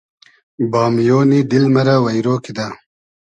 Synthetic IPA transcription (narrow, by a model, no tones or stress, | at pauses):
bɑːmjoːnid̪ilmɐɾawɐjɾoːkid̪a